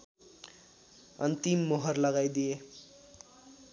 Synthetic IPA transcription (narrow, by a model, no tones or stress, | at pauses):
ʌ̰nt̪imːoɦʌrlʌɡajd̪ije